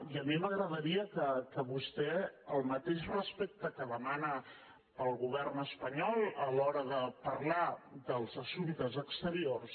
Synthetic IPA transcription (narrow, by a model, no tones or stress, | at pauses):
iəmiməɣɾəðəɾiəkəkəβust̪ɛəlˠmət̪eʃrəspek̚t̪əkəðəmanə | pəlˠɣuβ̞ɛrnəspəɲɔlˠəlɔɾəðəpərlad̪əlˠzəsuβit̪əzəkst̪əɾiors